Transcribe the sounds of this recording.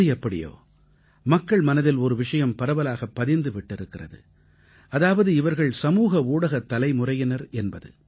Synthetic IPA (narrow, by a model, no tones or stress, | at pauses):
ɯɛpːɐɽɪ̰jo̰ː | mɐkːɐɭmɐnɐðɪlɔɾɯʋɪʂɐjɐmpɐɾɐʋɐlaːɣɐpːɐðɪɾnd̪ɯʋɪʈːɪɾɯkːɪrɐ̰ðɯ̰ | ɐðaːʋɐðɯɪʋɐɾɣɐɭsɐmuːɣɐuːɽɐɣɐt̪ːɐlɐɪmʊrɐjɪnɐɾɛnbɐðɯ̰